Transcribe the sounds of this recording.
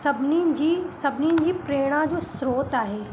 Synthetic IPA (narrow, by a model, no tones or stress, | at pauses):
sɐbnid͡ʒisɐbnid͡ʒipɾeːɽ̃ãd͡ʒoːsɾoːt̪aːɦeː